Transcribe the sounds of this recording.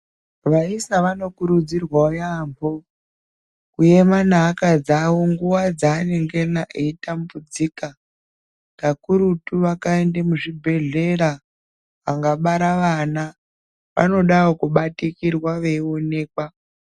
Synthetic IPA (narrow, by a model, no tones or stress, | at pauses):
ʋaisaʋano̞kuɾud͡zirwaojambo̞ | kuje̞manaːkad͡zawoŋɡuwad͡zaːne̞ŋɡenaʔeitambud͡ziːka | kakuɾutuʋakaendemuʐibʱe̞ɮe̞ɾa | ʋaŋɡaɓaɾaʋana | ʋa̰no̞ɗaokuɓatikirwaʋeio̞ne̞ːkwa